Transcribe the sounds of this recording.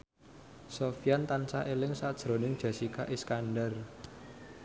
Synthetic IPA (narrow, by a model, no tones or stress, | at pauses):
sofijant̪ansaʔelɪŋsad̥ʒ̥ɾo̤nɪŋd̥ʒ̥ä̤sika̰ʔiskanɖər